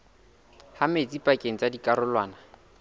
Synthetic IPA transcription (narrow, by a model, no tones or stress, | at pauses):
hamet͡sʼipʼakʼeŋ̩t͡sʼadikʼaɾʊlwaːna